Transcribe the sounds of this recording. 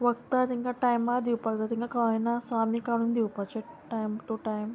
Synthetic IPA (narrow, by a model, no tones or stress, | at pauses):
ʋəkt̪at̪iŋkaʈajmːaɾd̪iwpaɡd͡zat̪ĩŋkakaʋinasamikaɽ̃ũnd̪iupat͡ɕeʈajmʈuʈajm